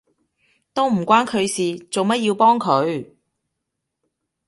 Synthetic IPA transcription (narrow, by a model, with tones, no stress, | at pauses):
t̪o˥wm̩˨˩kʷaː˥nkʰɵ˨˧ɥsiː˨t͡so˨wmɐ˥t̚jiː˧wpɔː˥ŋkʰɵ˨˧ɥ